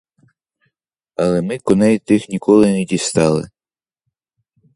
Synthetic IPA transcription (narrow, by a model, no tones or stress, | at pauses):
ɐlˠɛmɪkɔnɛjt̪ɪxnʲikɔlˠɪnɛdʲist̪ɑlˠɪ̰